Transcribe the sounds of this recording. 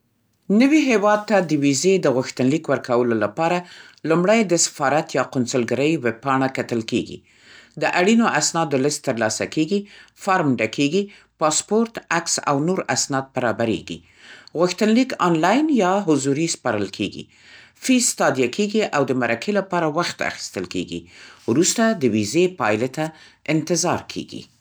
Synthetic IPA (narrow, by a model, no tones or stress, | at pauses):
nəwiɦewɑd̪̚t̪ad̪əwized̪əɣʊxt̪ənlikwəɾkawəlolapɑɾalumɽajd̪əsɪ̥fɑɾat̪jɑqʊnsʊlɡaɾəjweb̚pɑɳ̃akat̪əlkḛɡḭ | d̪əʔaɽinoʔasnɑd̪ələst̪ːəɾlɑsa̰keɡifɑɾmɖakʰeɡi | pɑspoɾt̪aksa̰wnoɾasnɑd̪̚baɾɑbaɾḛɡḭ | ɣʊxt̪ənlikɑnlɑjnjɑɦʊzuɾispɑɾəlkʰḛɡḭ | fist̪ɑd̪jakʰeɡiʔawd̪əmaɾakʰelapɑɾawaxt̪a̰xi̥st̪əlkḛɡḭwɾust̪ad̪əwizepɑjlet̪a | ɪnt̪ɪzɑɾkʰḛɡḭ